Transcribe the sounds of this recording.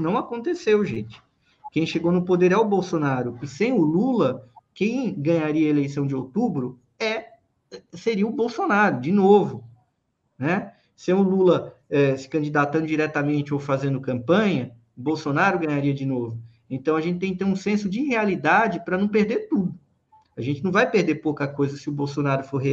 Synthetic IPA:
nɐ̃w̃akõnt̪esewʒẽt͡ʃɪ̥ | kẽj̃ʃeɡownʊpod̪eɾɛwbowsonaɾʊɪsẽj̃ʊlulɐkẽj̃ɡɐ̃ɲaɾiɐelejsɐ̃w̃d͡ʒɪowt̪ubɾʊ | ɛ | ɛseɾiɐʊbowsonaɾʊd͡ʒɪnovʊ | nɛ | sẽj̃ʊlulɐɛsɪ̥kɐ̃d͡ʒid̪at̪ɐ̃nd̪ʊd͡ʒiɾɛt̪ɐmẽnt͡ʃɪowfazẽnd̪ʊkɐ̃mpɐ̃ɲɐ | ʊbowsonaɾʊɡɐ̃ɲaɾiɐd͡ʒɪnovʊ | ẽnt̪ɐ̃w̃ɐʒẽnt͡ʃɪt̪ẽk̚ɪt̪eɾũsẽsʊd͡ʒɪhealid̪ad͡ʒɪpɾɐnɐ̃w̃peɾd̪eɾt̪ud̪ʊ | aʒẽnt͡ʃɪnɐ̃w̃vajpeɾd̪eɾpowkɐkojzɐsɪʊbowsonaɾʊfoɾɦe

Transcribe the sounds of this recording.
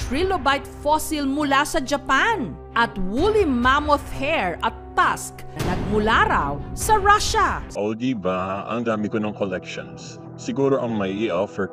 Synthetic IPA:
tɹilobajt̪fosilmʊlasɐd͡ʒɐpan | ʔɐt̪wulimamoθhɛɹɐt̪ːasknɐɡ̚mʊlaɾawsɐɹaʃaʔold̪ibaʔɐ̰ŋd̪aːmɪkonoŋkolɛkʃo̰ns | sɪɡuːɾoʔɐŋmɐjʔiʔafɛ

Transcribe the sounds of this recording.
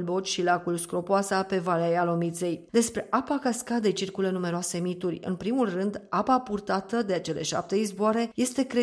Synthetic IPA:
bo̞t͡ʃʲʃilakulskɾo̞poasape̞valejalo̞mit̪se̞jd̪e̞spɾe̞ʔapakaskad̪et͡ʃirkulənume̞ɾoase̞mit̪urʲɨ̰npɾimulrɨnd̪apapurt̪at̪əd̪eat͡ʃe̞le̞̰ʃa̰p̚t̪e̞izboaɾe̞je̞st̪e̞kɾe

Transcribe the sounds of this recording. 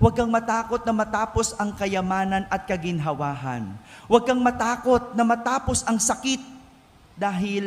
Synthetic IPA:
wɐɡ̚kɐŋmɐt̪aːko̞t̪̚nɐmɐt̪aːpo̞sɐŋkɐjɐmaːnɐnʔɐt̪̚kɐɡɪnɦɐwaːɦɐ̰nwɐɡ̚kɐŋmɐt̪aːko̞t̪̚nɐmɐt̪aːpo̞sɐŋsɐkɪt̪̚ | d̪aːɦɪl

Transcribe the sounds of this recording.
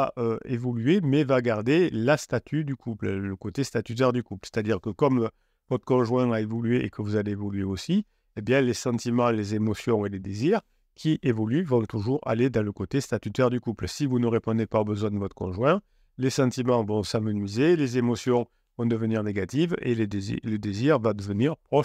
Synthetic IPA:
aʔøevɔlyemɛvaɡaʁd̪elast̪at̪ʰyd̪ykʰuplləkot̪est̪at̪yt̪œʁd̪ykuplse̥t̪ad̪iʁkəkɔm | vɔt̪χə̥kɔ̃ʒwɛ̃aevɔlyeʔḛkəvuzaleːvɔlɥeosi | ebjɛ̃lesɑ̃t̪imɑ̃lezemɔsjɔ̃eled̪eziʁ | kʰʲiʔevɔlyvɔ̃t̪uʒuʁa̰led̪ɑ̃ləkot̪est̪at̪yt̪œʁd̪ykupləsivunəʁepɔ̃d̪epaobəzwɛ̃d̪əvɔt̪χə̥kɔ̰̃ʒwɛ̃ | lesɑ̃t̪imɑ̃vɔ̃samənɥizelezemɔsjɔ̃ | vɔ̃d̪əvəniʁneɡat̪ivḛled̪ez̰ləd̪eziʁvad̪əvəniʁpχɔʃ

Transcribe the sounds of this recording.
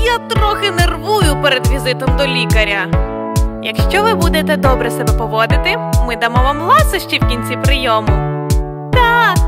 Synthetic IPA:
jat̪ɾɔxɪnerʋujʊpeɾed̪ʋʲizɪt̪ɔmd̪ɔlʲikɐɾʲɐ | jɐkʃt͡ʃɔʋɪbud̪et̪ɛd̪ɔbɾɛsɛbɛpɔʋɔd̪ɪt̪ɪmɪd̪ɐmɔʋamlˠɑsɔʃt͡ʃiwkʲinʲt͡sʲipɾɪjɔmʊ | t̪ak

